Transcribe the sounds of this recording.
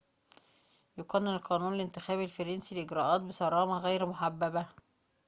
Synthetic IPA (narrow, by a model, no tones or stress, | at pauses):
joqænːɪnɪlqɑːnuːnlɪnt̪ɪxæːβɪlfɑɾɑnsilʔɪɡɾɑːʔɑːt̪̚bɪsˤɑɾˤɑːmɑɣæjɾmoħabːæbæ